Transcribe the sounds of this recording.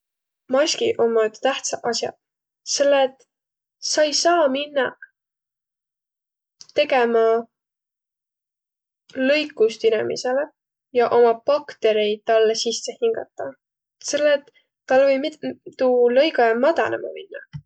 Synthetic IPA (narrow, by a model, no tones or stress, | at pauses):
mɑsʲkiʔomːɑt̪t̪æht̪sɑʔʔɑsjɑ̰ | se̞lːet̪ | sɑjsɑːminːɑ | t̪e̞ɡe̞mɑ | lɤjkːˑust̪inemḭsele | jɑʔo̞mɑpɑkt̪e̞ɾe̞j̚t̪ɑlːesisːehiŋɡ̥ɑ̰t̪ːˑɑ | se̞lːet̪ː | ɑlvɤjmit̪t̪uːlɤ̞jɡɑjɑmɑd̪̥ɑ̰nḛmɑ̰minːɑ̰